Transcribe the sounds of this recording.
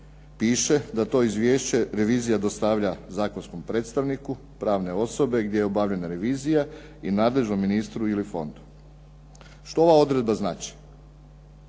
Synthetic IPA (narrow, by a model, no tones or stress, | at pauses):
piːʃe̞d̪at̪o̞ːizʋjeːʃt͡ɕe̞ɾe̞ʋiːzijad̪o̞st̪aʋʎazaːkonsko̞mpɾe̞ːt̪st̪aʋniku | pɾaːʋne̞o̞so̞be̞ɡd̪ʲje̞jeobaːʋʎe̞naɾe̞ʋiːzija | inaːd̪le̞ʒnomːinist̪ɾuilifo̞̰nd̪u̥ | ʃt̪o̞o̞ʋao̞d̪ɾed̪̚baznaːt͡ʃi̥